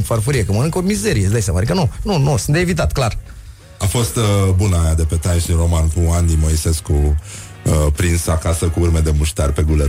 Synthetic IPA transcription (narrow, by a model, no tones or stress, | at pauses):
fərfuɾiekəmənɨŋkəomize̞ɾijesd̪ajsamaɾʲekənununusɨnt̪evit̪at̪klar | afo̞st̪bunajad̪e̞pe̞t̪ajnʃinro̞mankuand̪inmo̞ise̞sku | pɾinsəakasəkuurme̞d̪e̞muʃt̪arʲpe̞ɡule